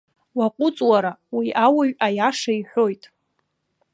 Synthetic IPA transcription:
waqʷʼʊt͡sʼwaɾawiʔawaɥajaʂaiħʷo̞jtʼ

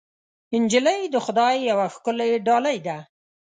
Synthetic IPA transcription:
ɪnd͡ʒɪlajd̪əxʊd̪ɑjːawaxkəleɖɑlajd̪a

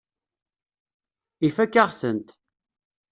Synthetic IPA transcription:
ifækːaʁsənt̪

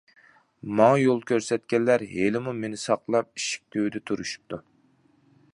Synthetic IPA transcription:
mɑŋjolˠkʲʰøɾsɛt̪kʲɛnːæɾɦelɪmumenɪsɑqlˠɑp̚iʃi̥k̚ʲt̪ʰywd̪ɛt̪ʰuɾuʃu̥p̚t̪ʰu

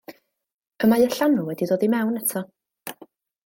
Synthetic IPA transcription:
əmajəɬanʊwɛdidoːðimɛwnɛtʰɔ

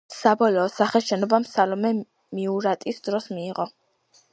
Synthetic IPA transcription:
sabɔlɔːsaχɛʃɛnɔbamsalɔmɛ | miuɾat̪ʼisd̪ɾɔsmiːʁɔ

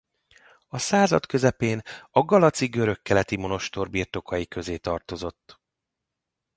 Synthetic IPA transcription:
ɒsaːzɒ̰t̪kø̞zɛpeːnɒɡɒlɒt̪siɡø̞ɾø̞kːɛlɛt̪imo̞no̞ʃt̪o̞rbirt̪o̞kʰɒjikø̞zeːt̪ɒrt̪o̞zo̞t̪ː

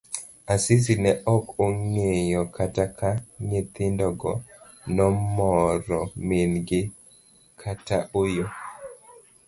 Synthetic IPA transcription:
asɪs̬inɛʔɔkoŋejɔkatakaɲet̪ɪndɔɡɔ | nɔmɔɾɔmɪnɡɪ | kʰataʔojo

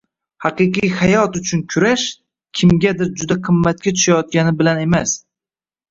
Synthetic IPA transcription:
hɑqɨqijhajɒt̪ʊt͡ʃʰʊnkʲʰʊɾaʃ | kʲʰɪmɡʲad̪ɪɾd͡ʒʊd̪aqʰɨmːat̪̚kʲat̪ʰʊ̥ʃajɒt̪̚kʲanɪbɪlane̞mas

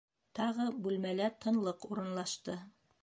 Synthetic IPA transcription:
t̪ɑʁɤbʉlmælæt̪ʰɤ̆nlˠɤquɾɤ̆nlˠɑʃt̪ɤ

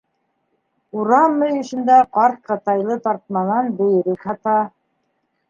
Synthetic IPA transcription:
uɾɑmːɘjɵ̆ʃɘ̆nd̪æqɑɾt̪̚qɑt̪ɑjlˠɤt̪ɑɾt̪̚mɑnɑnbɘ̆jɘ̆ɾɘkhɑt̪ɑ

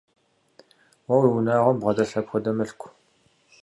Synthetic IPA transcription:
wɐwiwunaːʁʷɔmbʁɐd̪ɐɬɐpxʷɐd̪ɐmɨɬkʷʰ

